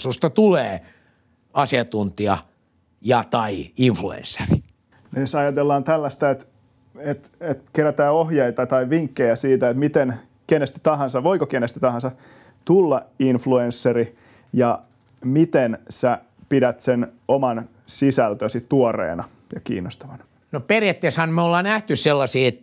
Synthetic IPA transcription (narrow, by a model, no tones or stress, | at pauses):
sust̪ɑt̪uleː | ɑsiɑt̪unt̪iɑ | jɑt̪ɑiiɱfluḛnsːeri | nesɑjɑt̪elːɑːnt̪ælːæst̪æet̪ | et̪et̪keræt̪æːohjeit̪ɑt̪ɑiʋiŋkːejæsiːt̪æet̪mit̪en | kenest̪i̥t̪ɑɦɑnsɑʋoikokenest̪i̥t̪ɑhɑnsɑ | t̪ulːɑinfluensːeri | jɑ | mit̪ensæ | pidæt̪senomɑn | sisælt̪øsit̪tuorḛːnɑ | jɑkḭːnːost̪ɑʋɑn | noperjæt̪ːeshɑnmeolːɑːnæht̪ysselːɑsiːet̪